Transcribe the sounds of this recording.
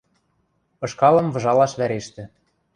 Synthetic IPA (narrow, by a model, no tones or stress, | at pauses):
ɤ̆ʃkɑlɤ̆mvɤ̆ʒɑlɑʃβæɾeʃt̪ɘ̆